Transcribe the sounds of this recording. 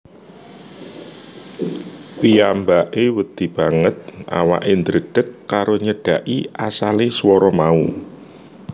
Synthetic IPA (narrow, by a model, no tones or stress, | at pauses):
piambaʔewəd̪̥ib̥a̤ŋət̪̚ʔa̰wa̰ʔend̪ɾəɖ̥ə̤kːaɾoɲəɖ̥a̤ʔiasaleswɔɾɔmau